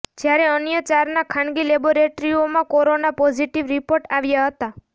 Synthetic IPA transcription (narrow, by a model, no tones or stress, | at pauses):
d͡ʒjaɾɛənjət͡ʃaɾnakʰãɳɡileboɾeʈɾiomãkɔɾonapɔd͡ʒiʈiʋɾipoɾʈaʋjaɦət̪a